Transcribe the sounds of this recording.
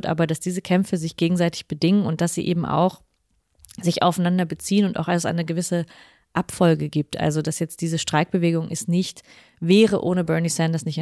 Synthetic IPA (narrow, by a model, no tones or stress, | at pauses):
tʔa̰ːbɐd̥asd̥iːzəkʰɛmfəzɪçɡ̥eːɡŋ̩zaɪtɪ̥çb̥ədɪŋənʊnt̚d̥asz̥ḭːʔeːbm̩ʔa̰ʊx | z̥ɪça̰ʊfanandɐbət͡siːənʊntaʊxalsʔa̰ɪnəɡəvɪsə | ʔapfɔlɡəɡiːp̚tʔa̰lzodasjɛt͡st̚d̥iːzəʃtʁ̥aɪk̚b̥əveːɡʊŋʔɪstnɪçt | vɛːʁəʔoːnəbœɐnisɛndɐsnɪçt